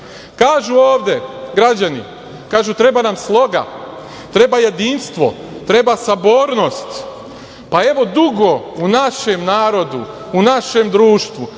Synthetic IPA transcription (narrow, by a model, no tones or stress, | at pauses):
kaːʒuoːʋd̪e̞ɡɾad͡ʑanḭ | kaːʒut̪ɾe̞banamslˠo̞ɡa̰ | t̪ɾe̞baje̞d̪inst̪ʋo̞̰ | t̪ɾebasaboːɾno̞st̪ | pae̞ʋo̞d̪uɡo̞unaʃe̞mnaːɾo̞d̪ṵ | unaʃe̞md̪ɾuːʃt̪ʋu